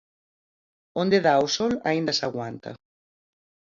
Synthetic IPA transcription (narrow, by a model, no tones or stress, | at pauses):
ond̪eðausɔla̰ind̪ɐsaɣwant̪ʰɐ̰